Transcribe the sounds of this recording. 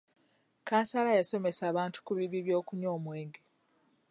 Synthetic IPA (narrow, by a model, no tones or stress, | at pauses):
kaːnsalajaso̞me̞saːβaːntu̥kuβiβiβjo̞ːkuɲo̞ːmwe̞ːŋɡe